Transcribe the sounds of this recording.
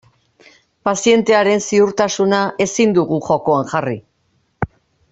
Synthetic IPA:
pasie̞nt̪e̞aɾe̞nsiuɾt̪asunaʔe̞sind̪uɣuʝo̞ko̞aŋʝari

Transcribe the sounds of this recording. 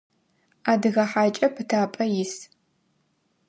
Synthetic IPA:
aːdɨɣɐħaːt͡ʃʼɐpʰɨtʰaːpʼɐjɪs

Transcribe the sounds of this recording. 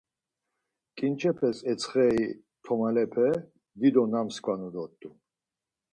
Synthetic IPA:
kʼint͡ʃʰɛpʰɛsɛt͡sʰχɛi | t̪ʰɔmalɛpʰɛ | d̪id̪ɔnamskʼwanud̪ɔt̪ʼːu

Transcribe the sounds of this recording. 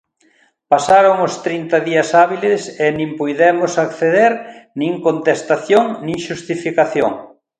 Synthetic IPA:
pasaɾoŋʊst̪ɾint̪ɐðiɐsaβilesenĩmpujðɛmʊsakθeðeɾnĩŋkont̪est̪aθjoŋnĩŋʃust̪ifikaθjo̰ŋ

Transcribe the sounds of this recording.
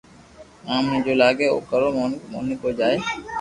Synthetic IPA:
amnid͡ʒolaɡeo̰kːaɾomo̰nikod͡ʒae

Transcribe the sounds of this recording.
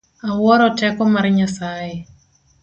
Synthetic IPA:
awɔɾɔtɛkɔmarɲasaje

